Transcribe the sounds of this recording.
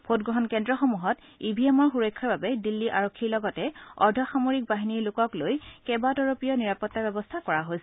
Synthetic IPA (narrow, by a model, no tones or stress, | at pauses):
pʰot̚ɡɹɔɦɔnkɛndɹɔxɔmuɦɔt | ibʱiɛmɔɹxuɹɔjkʰːɔɹbabɛdilːiʔaɹokʰːiɹlɔɡɔtɛɔ̰ɹdʱɔxamoɹik̚baɦiniɹlʊkɔklojkɛbatɔɹopijɔniɹapɔtːabɛbɔstʰakɔɹaɦojsɛ